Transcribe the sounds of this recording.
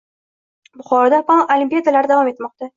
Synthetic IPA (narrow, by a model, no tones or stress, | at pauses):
bʊχɒɾɒd̪apɒnʔolimpʲijad̪alaɾɪd̪avɒme̞t̪mɒq̚t̪a